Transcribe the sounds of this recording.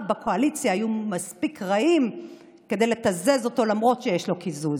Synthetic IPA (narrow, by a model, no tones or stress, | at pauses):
bakʰo̞alit͡sjaːjumaspikʁaim | ke̞d̪e̞jlet̪aze̞zo̞to̞lamʁo̞tʃejeʃlo̞kizuz